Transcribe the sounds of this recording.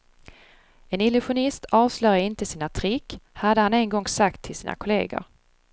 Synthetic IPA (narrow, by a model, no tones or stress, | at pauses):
ɛnɪlʊɧʊnɪst̪ʰɑːvslœʏjaɾɪnt̪əsiːnat̪ʰɾɪkːhad̪ːəhanɛnɡɔŋsakt̪ʰːɪlsiːna̰kʰʊlḛːɡʊ̰ɾ